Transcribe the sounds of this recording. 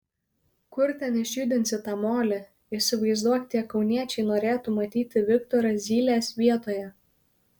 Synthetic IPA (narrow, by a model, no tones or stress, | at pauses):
kʊɾt̪ʲɛnɪʃʲuːd̪ʲɪnʲsʲɪt̪ɑːmoːlʲɪ | ɪʃʲsʲɪʋɐɪzd̪uɔk̪ʲt̪ʲiɛkɒʊnʲiɛt͡ʃʲɛɪnoːɾʲeːt̪umɐt̪ʲiːt̪ʲɪʋʲɪkt̪ɔɾɐzʲiːlʲeːsʋʲiɛt̪oːjɛ